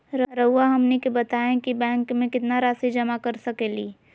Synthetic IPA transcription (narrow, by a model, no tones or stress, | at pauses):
ɾɾəʊaɦɐmnekebɐt̪aːẽkibɛ̃ːŋkmẽkɪt̪naɾaːsid͡ʒɐmakəɾsɐkeliː